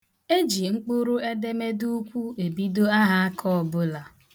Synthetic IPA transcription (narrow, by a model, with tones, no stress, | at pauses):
e˦d͡ʒi˨ŋ͡m̩˦k͡pu˦ɾu˦e˦de˦me˦du˦kʷu˦e˨bi˦do˦a˦ɦa˦a˦kʰɔ˦ɔ˨bʊ˦la˨